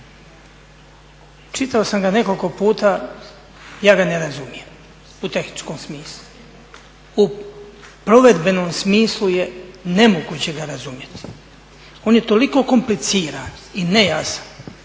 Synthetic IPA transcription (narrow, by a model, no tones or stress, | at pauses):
t͡ʃit̪ao̞samɡane̞ko̞lko̞puːt̪aː | jaːɡaneɾazumijem | ut̪e̞xni̥t͡ʃkomsmiːslˠu | u | pɾo̞ʋe̞d̪be̞nomsmiːslˠujene̞muɡut͡ɕeɡaɾazumjet̪i̥ | o̞ːnje̞t̪o̞liko̞ko̞mplit̪siːɾanine̞jasḁn